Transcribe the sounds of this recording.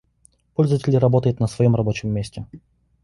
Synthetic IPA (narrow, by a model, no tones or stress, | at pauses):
polʲzəvətʲɪlʲɪɾɐbot̪əjɪt̪nəsvɐjo̞mrɐbo̞t͡ɕɪmʲːesʲtʲɪ